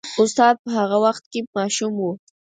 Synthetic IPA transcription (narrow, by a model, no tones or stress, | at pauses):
ʊst̪ɑd̪̚pəɦaɣawaxt̪̚kemɑʃumwu